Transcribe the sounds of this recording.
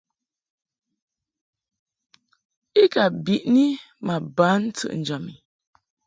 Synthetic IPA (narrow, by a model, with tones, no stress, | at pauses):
i˦ka˨bi˨ʔni˦ | ma˨ba˨˦n̩˦t͡sɨ̰˨ʔn̩˨d͡ʒɔ˨mi˨